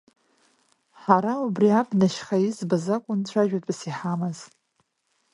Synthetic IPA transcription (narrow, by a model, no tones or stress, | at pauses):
ħaɾaubriabʰnaʃχajizbazakʷʼʊnt͡ɕʷʰaʒᶣatʼpʼsiħamɨz